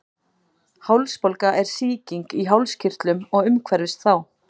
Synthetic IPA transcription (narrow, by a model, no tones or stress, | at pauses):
hawlspowlkaʔɛɾ̥siːciŋkiɦawlscir̥t̪lʏmɔɣʏmkʰvɛɾðɪst̪θaw